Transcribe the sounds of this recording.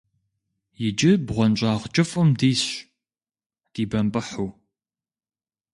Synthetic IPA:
jɪd͡ʒɪbʁʷɔnt͡ʃʷʼaːʁt͡ʃʼɨfʼɨmdiːɕ | d̥iːbɐmpʼɨħuː

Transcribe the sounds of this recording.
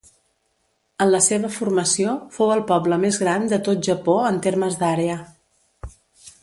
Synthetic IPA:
ənləseβəfurməsiofowəlˠpɔbləmezɣɾand̪ət̪ot̪̚ʒəpoənt̪erməzd̪aɾeə

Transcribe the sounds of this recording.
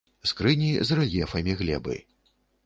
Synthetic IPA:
skɾɨnʲizrɛlʲjɛfɐmʲiɣlʲɛ̰bɨ̰

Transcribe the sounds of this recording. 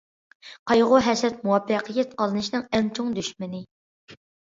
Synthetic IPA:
qʰɑjʁʊɦɛsɾɛt̪̚muwɑpʰːəqʰəjɛt̪̚qɑlˠɨnɨʃnɨŋɛŋt͡ʃʰoŋd̪yʃmɪnɪ

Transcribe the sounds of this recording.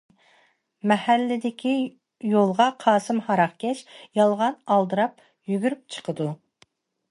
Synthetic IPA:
mɛhælːɪd̪ɪkʲi | jolˠʁɑqʰɑːsɨmhɑɾɑχkʲʰɛʃjɑlˠʁɑnɑlˠd̪ɨɾɑp̚ | jyɡʲyɾyp̚t͡ʃʰə̥qʰəd̪u

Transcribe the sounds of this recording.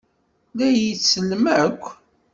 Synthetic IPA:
læjisːəlːməəkʷː

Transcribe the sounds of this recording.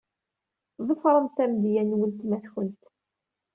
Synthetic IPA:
ðˤəfɾˤəmt̪æmd̪jænwəlt̪mæθçənt̪

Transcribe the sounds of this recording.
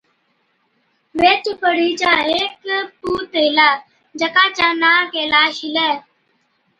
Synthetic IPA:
ʋeːt͡ʃpəɽ̤iːt͡ʃaːɦeːkpuːt̪eːɪlaː | d͡ʒəkaːt͡ʃãːnaːkeːlaːʃɪlɛː

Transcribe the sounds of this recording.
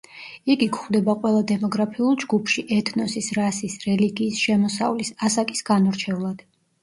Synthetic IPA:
iɡikʰχd̪ɛbaqʼwɛlˠad̪ɛmɔɡɾapʰiulˠd͡ʒɡupʰʃiʔɛt̪ʰnɔsisɾasisɾɛliɡiːsʃɛmɔsa̰vlisasakʼisɡ̥anɔɾt͡ʃʰɛvlˠad̪̥

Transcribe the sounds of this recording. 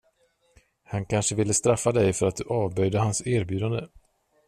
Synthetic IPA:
hankʰanʂəvɪlːəst̪ɾafːad̪ɛjfœɾat̪̚d̪ɵʔɑːvbœjd̪əhansæːɾbjʉ̟ːd̪and̪ə

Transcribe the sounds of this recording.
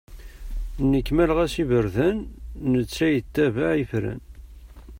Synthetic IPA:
nːəkːmælʁæsivəɾðænːət͡sːæjət̪ːævaʕifɾæ̰n

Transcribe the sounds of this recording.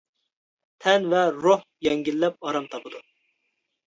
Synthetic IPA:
t̪ʰɛnvɛɾohjɛŋɡʲilːɛp̚ɑɾɑmt̪ʰɑpʰɨd̪u

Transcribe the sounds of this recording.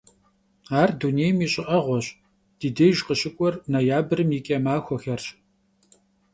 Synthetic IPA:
aːrdunejmiːɕʼɪʔɐʁʷɔɕ | d̥iːdejʒqəɕɪkʷʼɔrnɐjaːbɨrɨmjɪkʲʼɐmaːxʷɔxɐrɕ

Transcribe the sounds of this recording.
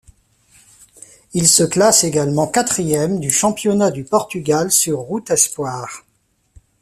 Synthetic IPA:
ilsəklaseɡalmɑ̃kat̪χijɛmd̪yʃɑ̃pjɔnad̪ypɔʁt̪yɡalsyʁːut̪ɛspwaːʁ

